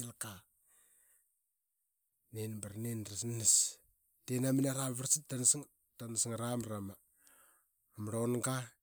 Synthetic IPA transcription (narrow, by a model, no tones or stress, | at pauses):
ilka | nenbaɾnenɾasnnis | tenamineɾamβaɾsitansiŋ | tansiŋɾamɾama | mɾonɡa